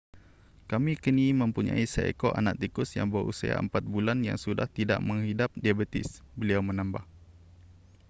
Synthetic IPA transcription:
kamikənimə̃mpuɲa̰isəḛkoʔa̰nak̚t̪ikʊsja̰ŋbəʔṵsə̰a̰ə̰mpat̪̚bulanja̰ŋsuda̰ht̪ida̰ʔmə̃ŋhidap̚diabət̪ɪ̰sbəliawmə̃nãmbah

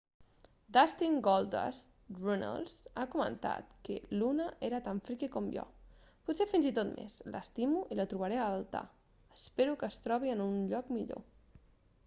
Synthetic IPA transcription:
d̪ast̪iŋɡɔlˠd̪a̰s | runa̰lˠsakumə̰̃nt̪a̰t̪kəlunəʔeɾət̪aɱfɾikekɔmjɔ̰put̪sefinzit̪ot̪mʔḛzlə̰st̪imuʔilət̪ɾuβəɾealˠt̪a̰ | əspeɾukəst̪ɾɔβiənunʎɔkmiʎo̰

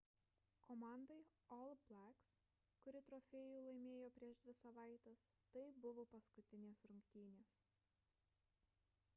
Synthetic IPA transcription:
komɑˑnd̪ɐɪɔlˠblʲˠæks | kʊɾʲɪt̪ɾɔːfʲɛːjuːlˠɐɪmʲeːjoːpʲɾʲiɛʃd̪ʲʋʲɪsɐʋɑˑɪt̪ʲest̪ɐɪbʊʋoːpɐskʊt̪ʲɪnʲeːsɾʊŋʲkʲt̪ʲiːnʲeːs

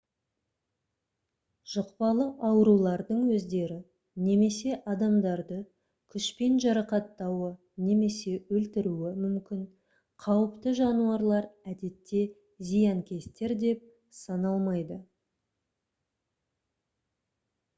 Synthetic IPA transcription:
ʒ̥əqpɑlˠəʔɑwɾulˠɑɾd̪əɴwɵzd̪e̞ɾɪ | ne̞me̞se̞ʔɑd̪ɑmd̪ɑɾd̪ə | kʲʰʏʃpe̞nʒɑɾɑqɑt̪ːɑwə | ne̞me̞se̞ɵlt̪ɪɾuɪmʏmkʲɪn | qʰɑwəpt̪əʒɑnuɑɾlˠɑɾæd̪e̞t̪ːe̞ | zijɑŋkʲe̞st̪e̞ɾd̪e̞p̚ | sɑnɑlˠmɑjd̪ə

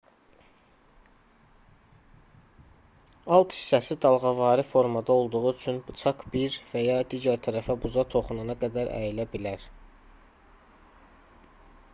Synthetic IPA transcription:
ɑlˠt̪ʰhi̥sːæsid̪ɑlˠʁɑvɑːɾɯfo̞ɾmɑd̪ɑo̞lˠd̪uʁuyt͡ʃʰynbɯt͡ʃʰɑkbiɾvæjɑd̪iːɟæɾt̪ʰæɾæfæbuzɑt̪ʰo̞χununɑɡæd̪æɾʔæ̰jilæbilæɾ

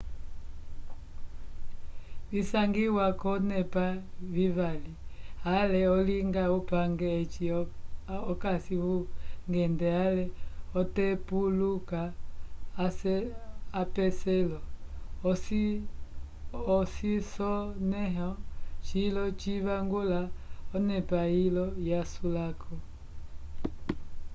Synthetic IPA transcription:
βisaŋɡiwakɔnɛpaviβalialɛɔliŋɡaupaŋɡɛːt͡ʃi | ɔkasiβuŋɡɛndɛalɛɔtɛpulukaː | ɛapɛsɛlɔ | s | ɔsisɔnɛɦɔt͡ʃilɔt͡ʃiβaŋɡulaɔnɛpailɔjasulakʰɔ

